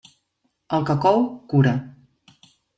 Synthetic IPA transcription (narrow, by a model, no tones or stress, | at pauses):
əlˠkəkɔwkuɾa